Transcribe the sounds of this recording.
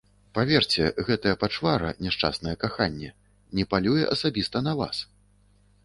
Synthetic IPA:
pavʲɛrt͡sʲɛɣɛt̪ɐjɐpat͡ʂvaɾɐ̰nʲɛʂt͡ʂa̰snɐjɛkaxanʲːɛ | nʲɛpalʲujɛ̰ʔɐsabʲist̪ɐnɐva̰s

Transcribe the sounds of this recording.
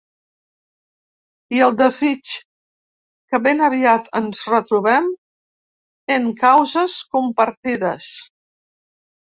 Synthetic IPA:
iəlˠd̪əzit͡ʃ | kəβenəβ̞iat̪ənzrət̪ɾuβ̞ɛm | eŋkawzəskumpəɾt̪iðəs

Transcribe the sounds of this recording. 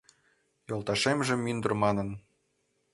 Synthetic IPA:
jolˠt̪ɑʃemʒĕmːynd̪ɤ̆rmɑnɤ̆n

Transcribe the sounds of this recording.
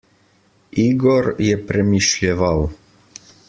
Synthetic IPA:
iɡɔɾjɛpɾɛmiʃlʲɛvaw

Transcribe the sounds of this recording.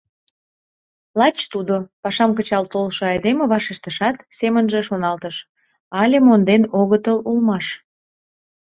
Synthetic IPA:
lɑt͡ɕt̪ud̪opɑʃɑmkət͡ɕɑlt̪olʃoɑjd̪emeβɑʃeʃt̪əʃɑt̪semənʒeʃonɑlt̪əʃ | ɑlʲemond̪enoɣət̪əlulmɑʃ

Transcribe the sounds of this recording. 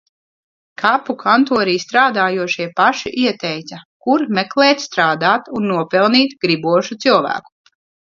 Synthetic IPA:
kʰapukʰant̪uɔɾiːst̪ɾaːd̪aːjuɔʃiɛpaʃiʔiɛt̪ɛjt̪sakuɾmɛklˠɛːt̪st̪ɾaːd̪aːt̪unːuɔpɛlˠniːt̪ɡɾibuɔʃut̪silvæ̰ːku̥

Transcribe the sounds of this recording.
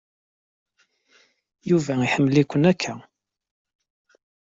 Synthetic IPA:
juvæiħəmːəlikʷːənækʰːæ

